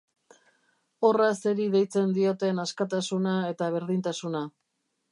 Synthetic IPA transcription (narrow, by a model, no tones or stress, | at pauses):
o̞raseɾiðe̞jt͡se̞nd̪io̞t̪e̞naskat̪asunae̞t̪aβ̞e̞ɾðint̪asuna